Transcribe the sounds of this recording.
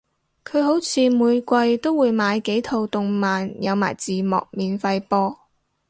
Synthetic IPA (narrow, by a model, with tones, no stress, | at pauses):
kʰɵ˨˧ɥɦo˨˥wt͡sʰiː˧muː˨˧jkʷɐ˧jt̪o˥wːuː˨˧jmaː˨˧jke˨˥jt̪ʰo˨˧wt̪ʊ˨˧ŋmaː˨njɐ˨˧wma̰ː˨˩jt͡siː˨mɔ̰ː˨k̚miː˨nfɐ˧jpɔː˧